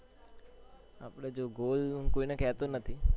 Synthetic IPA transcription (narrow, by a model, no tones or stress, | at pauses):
apɽed͡ʒoːɡoːlkoːinakɛːt̪onət̪ʰi